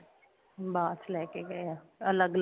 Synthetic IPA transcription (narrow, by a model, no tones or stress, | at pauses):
baːt̪lɛːkeɡɐjaː | ɐləɡl